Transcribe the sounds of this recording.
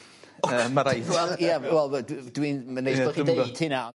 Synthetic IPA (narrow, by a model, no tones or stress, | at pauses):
əːmaɾajɛlˠjawɛlˠdd̥winmanejblɔχide̥tʰɪna